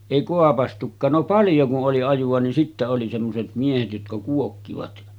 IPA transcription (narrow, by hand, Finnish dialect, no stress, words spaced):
eˑi koɑpɑstukˑɑːn no pɑljo kuʔ ʔoli ɑjuʋ̆ɑ nin sitːæ oli semːoset miehet jotkɑ kuokːiʋɑt